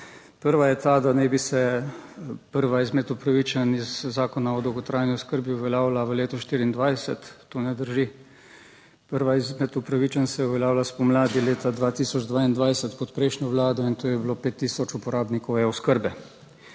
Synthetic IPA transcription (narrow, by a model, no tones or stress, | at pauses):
pəɾʋajɛt̪aːd̪anɛbisɛ | pəɾʋaizmɛt̪upɾaʋit͡ʃanizːaːkɔnaɔd̪ɐwɡɔt̪ɾaːjniʊskəɾbiuʋɛljaːwlaʋəleːt̪ɔʃt̪iːɾiːnd̪ʋajsɛt̪ːoːnɛd̪əɾʒi | pəɾʋaizmɛt̪upɾaʋit͡ʃansɛuʋɛljaːwlaspɔmlaːd̪ileːt̪ad̪ʋaːt̪iːsɔd͡ʒd̪ʋaːind̪ʋajsɛt̪pɔt̪pɾɛjʃnjɔʋlaːd̪ɔint̪oːjɛbloːpeːt̪ːiːsɔt͡ʃupɔɾaːbnikɔwɛʊskəɾbɛ